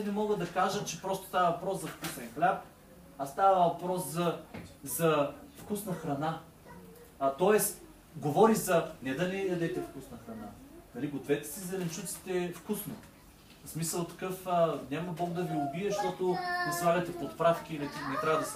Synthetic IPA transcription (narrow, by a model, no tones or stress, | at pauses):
nɛmɔɡəd̪ɐkaʒət͡ʃɛpɾɔst̪ʊ̥st̪avɐvɐpɾɔszɐfkusɛnxlʲap̚ | ast̪avɐvɐpɾɔszɐzɐfkusnɐxɾɐna | t̪ɔɛs | ɡovɔɾizɐnɛd̪ɐnɛjɐd̪ɛt̪ɛfkusnɐxɾɐnanɐliɡot̪vɛt̪ɛ̥sizɛlɛnt͡ʃut̪si̥t̪ɛfkusno | smisəlˠt̪ɐ̥kɤfənʲamɐbɔk̚d̪ɐviʊbiɛʃt̪ɔt̪ʊnɛsvˠaɡɐt̪ɛpot̪pɾafk̟ʲiːlɛt̪inɛt̪ɾʲavɐd̪ɐs